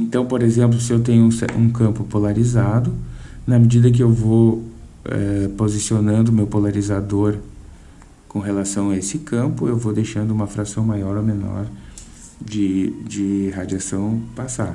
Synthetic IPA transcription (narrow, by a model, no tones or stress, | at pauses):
ẽnt̪ɐ̃w̃poɾezẽmp̬lʊsɪewt̪ẽɲʊũsɛ̰ṵ̃kɐ̃mpʊpolaɾizad̪ʊ | nɐmed͡ʒid̪ɐk̬ɪewvo | ɛ̰pozisionɐ̃nd̪ʊmewpolaɾizad̪oɾ | kõɦelasɐ̃w̃aesɪkʰɐ̃mpʊewvowd̪ejʃɐ̃nd̪ʊũmɐfɾasɐ̃w̃majɔɾomenɔ̰ɾ | d͡ʒɪd͡ʒɪɦad͡ʒiasɐ̃w̃pasad̪